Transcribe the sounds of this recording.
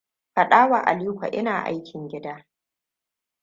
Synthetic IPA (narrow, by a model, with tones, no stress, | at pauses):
ɸɐ˨ɗaː˦waː˨ʔa̰˨li˦kʷa̰˨ʔɪ˦naː˨ʔa̰˦jkʲʰɪ˨ŋɡʲɪ˦daː˦